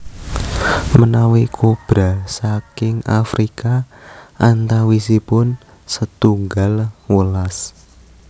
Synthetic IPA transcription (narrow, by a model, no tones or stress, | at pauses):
mənawikʰob̥ɾa̤sakɪŋafɾikaʔant̪awisipʊn | sət̪uŋɡalwəlas